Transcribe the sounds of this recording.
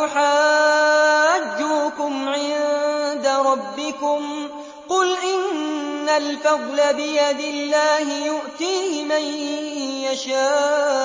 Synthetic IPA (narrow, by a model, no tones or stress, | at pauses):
ʊħaː | ad͡ʒːukʊmʕɪnd̪aɾˤɑbːɪkʊm | qʊlʔɪnːalfɑðˤlabɪjad̪ɪlːaːhɪjʊʔt̪iːhɪmanjaʃaː